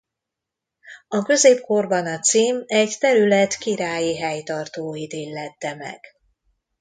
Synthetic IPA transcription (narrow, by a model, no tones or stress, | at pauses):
ɒkø̞zeːp̚ko̞rbɒnɒt̪siːmɛɟt̪ɛɾylɛt̪kiɾaːjiɦɛjt̪ɒrt̪oːid̪elːɛt̪ːɛmɛ̰ɡ̥